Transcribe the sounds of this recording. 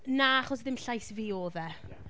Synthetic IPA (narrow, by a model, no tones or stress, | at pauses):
naaχɔs̬ðɪmɬajsviːoːðɛ